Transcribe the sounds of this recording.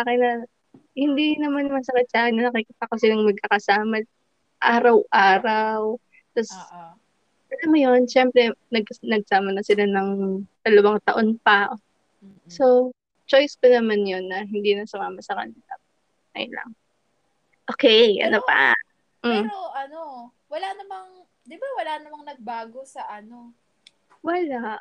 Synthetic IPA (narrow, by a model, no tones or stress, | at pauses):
saːkɪnːɐ | hɪnd̪inɐmanmɐsɐkɪt̪̚saːkɪnːɐnɐkikit̪ɐkosɪlaŋmɐɡ̚kakɐsaːmɐ | ʔaːɾɐwʔaːɾaw | t̪ɐs | ɐlɐmɐjonʃɛmpɾɛnɐɡnɐɡ̚saːmɐnɐsɪlanɐŋd̪̥ɐlɐwaŋt̪ɐʔo̞npɐʔo | so̞ | t͡ʃo̞jspɐnɐmanjo̞nːɐɦɪnd̪inɐsʊmaːmɐsɐkɐ̰nɪt̪ɐ | kɐ̰jnlɐ̰ŋ | ʔokɛjʔɐ̰nopa̰ | ʔ̩oʔɐno | wɐlanɐmɐŋ | d̪ɪbawɐlanɐmɐŋnɐɡ̚baːɡosɐʔɐno̞ | wɐlaʔ